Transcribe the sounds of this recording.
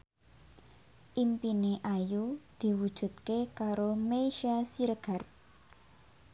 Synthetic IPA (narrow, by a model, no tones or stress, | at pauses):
ʔimpineʔajud̪̥i̤wud̥ʒ̥ṳt̪̚kekaɾomeiʃasiɾəɡ̥a̤r